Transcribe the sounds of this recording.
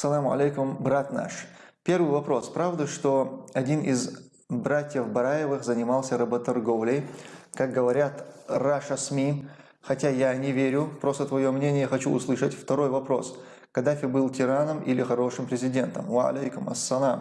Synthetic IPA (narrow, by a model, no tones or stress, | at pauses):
sːɐlˠamɐ̰lʲejkʊmbɾat̪na̰ʂpʲe̞rvɨjvɐpɾo̞spɾavd̪əʂt̪o̞ɐdʲinʔɪz | bɾatʲjəfbɐɾajɪvɨxzənʲɪmalˠsʲəɾɐbət̪ɐrɡovlʲejkak̚ɡəvɐɾʲat̪raʂɐsmʲi | xɐtʲajanʲɪvʲeɾʲʊfpɾo̞st̪ət̪vɐjomnʲenʲɪjəxɐt͡ɕuʊslˠɨʂətʲft̪ɐɾo̞jvɐpɾo̞̰s | kɐd̪afʲɪbɨlˠtʲɪɾanəmḭlʲɪxɐɾo̞ʂɨmpɾʲɪzʲɪdʲe̞nt̪ə̰mvɐɐ̰lʲejkʊmɐ̰sːɐlˠam